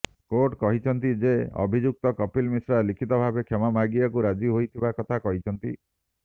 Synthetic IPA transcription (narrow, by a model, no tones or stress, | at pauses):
koɾʈkɔɦit͡ʃʰɔnt̪id͡ʒeɔ̰bʱid͡ʒuk̚t̪ɔkɔpilmisɾalikʰit̪ɔbʱabekʰemamʱaɡiakuɾad͡ʒiɦojt̪ʰibakɔt̪ʰakɔɦit͡ʃʰɔnt̪i